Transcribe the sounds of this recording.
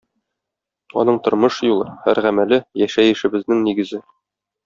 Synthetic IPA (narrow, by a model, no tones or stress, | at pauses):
ɒ̰nɤɴt̪ŏɾmɤʃjulˠɤhæ̰ɾʁæmælɘjæʃæjɘ̆ʃɘ̆bɘ̆znɘŋniɡɘ̆zɘ